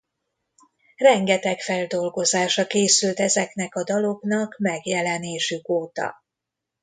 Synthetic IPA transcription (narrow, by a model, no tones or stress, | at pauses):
rɛŋɡɛt̪ɛkfɛld̪o̞lɡo̞zaːʃɒkeːsylt̪ɛzɛknɛkɒd̪ɒlo̞ɡnɒkmɛɡjɛlɛneːʃykoːt̪ɒ̰